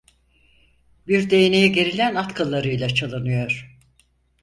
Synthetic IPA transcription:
biɾd̪e̞jnejiɟe̞ɾilʲænat̪kʰalˠːaɾɯjlˠat͡ʃʰalˠɯnɯjo̞ɾ̥

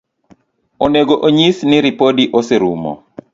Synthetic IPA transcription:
oneɡoʔoɲisnɪɾipodiʔoseɾṵmɔ̰

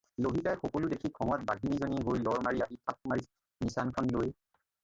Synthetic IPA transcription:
loɦikajxɔkoludekʰikʰɔŋɔt̚baɡʱinizoniɦojlɔɹmaɹiaɦitʰap̚maɹis | nisankʰɔnloj

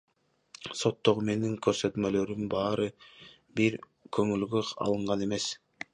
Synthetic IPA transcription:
so̞t̪ːo̞ʁume̞niŋkʰøɾsø̞t̪mø̞lø̞ɾymbɑːɾɯ | biɾ | kʰø̞ŋylɡyɑ̰lˠɯɴʁɑne̞me̞s

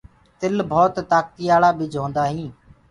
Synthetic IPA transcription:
t̪ɪlbʱoːt̪t̪aːk̚t̪iːjaːlaːbɪd͡ʒʱõːnd̪aːɦĩː

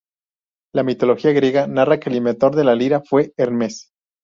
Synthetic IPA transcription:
lamit̪o̞lo̞xiaɣɾje̞ɣanarake̞limet̪o̞ɾðe̞laliɾafwe̞eɾmes

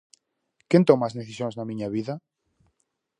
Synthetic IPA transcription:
kjent̪omaszðeθisjonznamĩɲaβiða

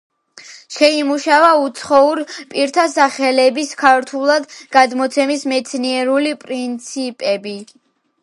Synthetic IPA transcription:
ʃɛimuʃavaut̪sʰχɔuɾpʼiɾt̪ʰasaχɛlɛbiskʰaɾt̪ʰulˠad̪ɡad̪mɔt̪sʰɛmismɛt̪sʰniɛɾulipʼɾint̪sʰipʼɛbi

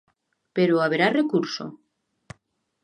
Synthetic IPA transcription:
peɾoaβeɾarekuɾso̰

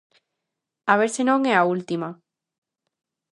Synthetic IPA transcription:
aβeɾsenõŋeault̪ima

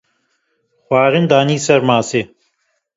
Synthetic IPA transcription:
xwaːɾɪnd̪aːniːsɐɾmaːse

